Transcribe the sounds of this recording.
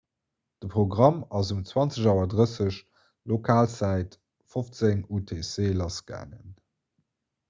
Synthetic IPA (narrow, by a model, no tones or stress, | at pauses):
d̥əpʁoɡʁɑmɑzumt͡swɑnt͡səʑɑwɐdʁəsəɕ | lokʰaːlt͡sæɪt | foft͡seŋutʰeseːlɑsɡ̥æ̰ːŋə̰n